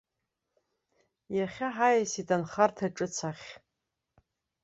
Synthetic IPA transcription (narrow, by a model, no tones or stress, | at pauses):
jaχʲaħajasitʰʼanχartʰaʈ͡ʂʼɨt͡sʰaχʲ